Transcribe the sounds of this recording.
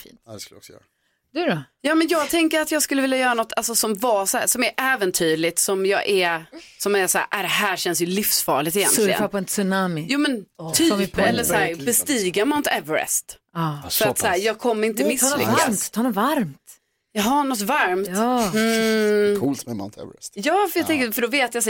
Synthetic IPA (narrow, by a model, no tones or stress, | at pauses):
fḭːnt̪dɛsklɔ̰ksjœ̰ːa | d̪̥ʉɾɔjɑːmɛnjɑːɡ̚t̪ʰɛŋkəɾat̪jɑːɡskɵlːəɪljajœːɾanɔt̪ːʰalsɔsɔmvɑːsæːsɔmæɾʔɛːvənt̪ʰyːɭɪt̪sɔmjɑːɡʔæɾsɔmːɛsæ̰ːɾʔæd̪ɛɦæːɕɛnsjɵlɪfsfɑːɭɪt̪ɛjɛ̰nlɪɡə̰napɔɛnsʉnamɪjuːmɛnt̪ʰypʰɛlːəsæːɾbɛst̪iːɡamant̪ʰɛvəɾɛ̰st̪fœɾat̪sæːɾjɑːɡ̚kʰɔmːəɾɪnt̪əmɪslʏ̰kːa̰t̪t̪ʰɑnɔvaɾmt̪ | jɑːɦaɳɔt̪̬vaɾmt̪̩ː | kʰult̪mɛma̰nt̪ʰɛ̰v̰ɛst̪jɑːfjɑat̪ɛŋkːəfœɖɔveːt̪jas